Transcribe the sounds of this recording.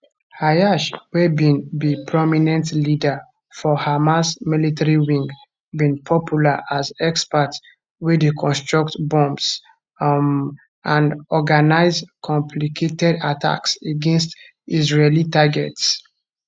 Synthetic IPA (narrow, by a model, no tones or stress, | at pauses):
hajaʃwɛbĩnðipʰɹɔminɛ̃ntlida | fɔhamasmilitaɹiwĩŋɡ | bĩnpʰɔpʰjulaʔazɛkspats | widəkʰɔ̃nstɹaktbɔ̃mbs | ʔãnɔɡanaɪzkʰɔ̃mpʰlikʰetɛdatʰa̰kseɡɛ̃nst | izɹelitaɡɛts